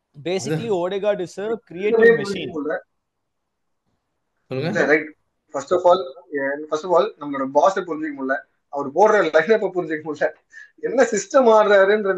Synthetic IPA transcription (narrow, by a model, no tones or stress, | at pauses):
beːsɪkɐlioːɽeɡaːɖɯsɐɾkɪɾɪjeːɐmeːpʊɾɪ̃d͡ʒd͡ʒɪkkːɐmʊɭːɐ | sɔlːɯŋɡɐɾɐɪʈ | fɐɾsʈɔfaːlɛnfɐsʈɔfaːlnɐmːɐloːɽɐbaːsɛp̬ʊɾɪɲd͡ʒɯkːɐmʊɭːɐ | ɐʋɐɾɯpoːɽɾɐlɐɪnɐp̬ːɐpʊɾɪɲd͡ʒɯkːɐmʊlːɐ | ɛnːɐsɪsʈɐmaːɾɾaːɾɯɛndɾɐ